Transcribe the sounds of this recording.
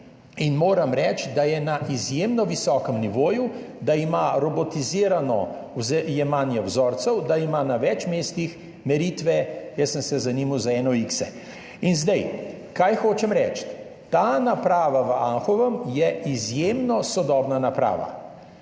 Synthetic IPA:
inmoːɾamɾɛt͡ʃd̪ajɛnaʔizjeːmnɔʋisɔːkəmniʋoːju | d̪aimaɾɔbɔt̪iziːɾanɔ̰ | zɛjɛmanjɛwzɔːɾt̪sɛwd̪aimaːnaʋɛt͡ʃmeːst̪ix | mɛɾiːt̪ʋɛjɛsənsɛzanimawzaɛːnɔiksɛ̰ | inzd̪ɛj | kajxoːt͡ʃɛmɾɛt͡ʃt̪ | t̪aːnapɾaːʋaʋəaŋxɔʋəmjɛʔizjemnɔsɔd̪ɔːbnanapɾa̰ːʋa̰

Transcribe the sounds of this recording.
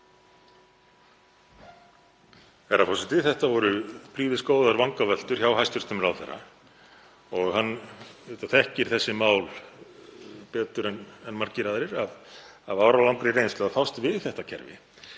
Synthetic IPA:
ɛɾafɔsɪt̪ɪθɛht̪avɔɾʏpʰɾiːvɪskoːwðaɾvaŋkavɛl̥t̪ʏɾ̥çawɦajst̪ʏɾ̥t̪ʏmɾawθɛ̰rːa̰ | ɔɣɦanːvɛt̪aθɛhcɪɾ̥θɛsːɪmaːwl | pɛːt̪ʏɾɛnɛnːmaɾcɪɾaðɾɪɾaðavaːwɾawlawŋkɾɪrejnst̪ɛafawst̪vɪðθɛht̪acʰɛ̰ɾvɪ̰

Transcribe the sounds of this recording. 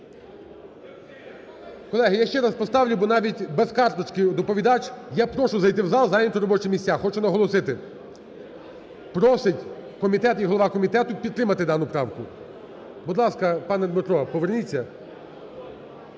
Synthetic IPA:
kɔlˠɛɦɪjaʃt͡ʃɛɾɑspɔst̪ɑwlʲʊbɔnɑʋʲitʲbeskɑrt̪ɔt͡ʃkɪd̪ɔpɔʋʲid̪ɑt͡ʃjapɾɔʃʊzɐjt̪ɪwzɑlˠzɑjnʲɐt̪ɔɾɔbɔt͡ʃɛmʲisʲaxɔt͡ʃʊnɐɦɔlˠɔsɪt̪ɪ | pɾɔsɪtʲkɔmʲit̪ɛt̪iɦɔlˠɔʋɑkɔmʲit̪ɛt̪ʊpʲid̪t̪ːɾɪmɐt̪ɪd̪ɑnʊpɾɑwkʊ | bud̪lˠɑskɐpɑnɛd̪mɪt̪ɾɔɐpɔʋernʲit͡sʲːɐ

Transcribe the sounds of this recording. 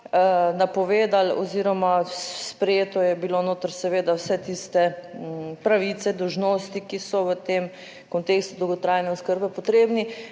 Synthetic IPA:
napɔʋeːd̪alɔ̰ziːɾɔmaspɾɛjeːt̪ɔjɛbilonoːt̪əɾsɛʋeːd̪awsɛt̪ist̪ɛ | pɾaʋit̪sɛd̪ɔwʒnoːst̪ikisɔʋət̪em | kɔnt̪eːkst̪ud̪ɔwɡot̪ɾaːjnɛoskəɾbɛpɔt̪ɾeːbni

